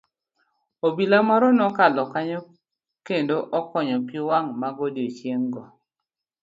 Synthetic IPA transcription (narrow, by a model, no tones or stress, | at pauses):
obilamaɾɔnɔkalɔkaɲɔ | kendoʔɔkɔɲɔpiwaŋmaɡodiot͡ʃjeŋɡɔ